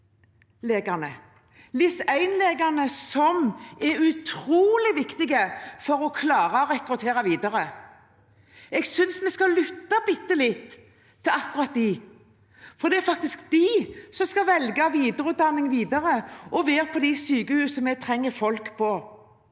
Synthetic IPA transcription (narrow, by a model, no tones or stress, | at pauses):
leːɡɑnə | lɪsæɪnleːɡɑnəsɔmɛɾʉt̪ʰɾuːlɪʋɪkt̪ɪɡəfɔɾɔkʰlɑːɾɑɔɾɛkɾʉt̪ʰeːɾɑʋiːd̪ɑɾə | ɛɡsʏnsmɛskɑlʏt̪ːɑbɪt̪ːəlɪt̪ʰː | ɪɑkʉɾɑt̪̚d̪ɪ | fɔd̪ɛæɾfɑk̚t̪ɪskd̪̥ɪsɔmskɑʋɛlɡɑʋiːd̪əɾʉːt̪̚d̪ɑnːɪŋʋiːd̪ɑɾəʔɔʋeːɾpʰɔd̪ɪsyːɡəhʉːsɔmɛt̪ʰɾɛŋːəfɔlkpʰɔ